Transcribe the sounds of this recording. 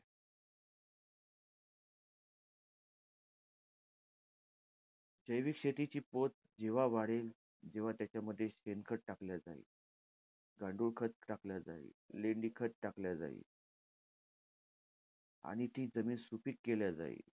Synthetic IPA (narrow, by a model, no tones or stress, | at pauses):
d͡ʑəjʋikɕet̪it͡ɕiːpot̪̚ | d͡ʑeʋ̤aʋaɽel | d͡ʑeʋ̤at̪jat͡ɕjaməd̪ʱːjeɕenkʰəʈ̚ʈakljad͡za̰ḭː | ɡãɳɖuːɽkʰət̪ʈakljad͡za̰ḭleɳɖiːkʰət̪ʈakljad͡za̰ḭ | a̰ɽ̃it̪iːd͡zəmiːnsupiːkːeljad͡za̰ḭ